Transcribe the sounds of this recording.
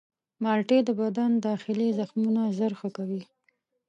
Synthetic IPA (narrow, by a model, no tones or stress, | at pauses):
mɑlʈed̪əbad̪and̪ɑxɪlezaxmunazəɾxəkawi